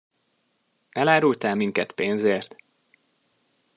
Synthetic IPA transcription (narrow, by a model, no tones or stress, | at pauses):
ɛlaːɾult̪aːlmiŋkɛt̪peːnzeːrt̪